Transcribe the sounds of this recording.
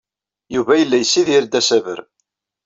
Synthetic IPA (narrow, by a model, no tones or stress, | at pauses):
juvæjəlːæjsːiðiɾd̪æsævə̰ɾ